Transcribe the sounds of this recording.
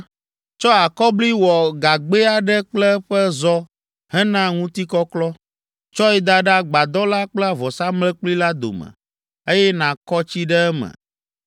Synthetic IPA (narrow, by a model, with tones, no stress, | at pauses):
t͡ʃɔ˦a˨kɔ˦bli˦wɔ˨ɡa˨ɡ͡be˦a˨ɖɛ˦k͡plɛ˦ɸɛ˦zɔ˦ | ɦɛ˦nã˦ŋũ˦t̪i˦kɔ˦klɔ˦ | t͡ʃɔ˦ɛ˦d̪a˦ɖa˦ɡ͡ba˨d̪ɔ˦la˦k͡plɛ˦a˨vɔ˨sa˦mlɛ˦k͡pli˦la˦d̪o̰˨mɛ̰˨ | e˦jɛ˦nã˨kɔ˦t͡ɕi˦ɖɛ˦ɛ˦mɛ̰˨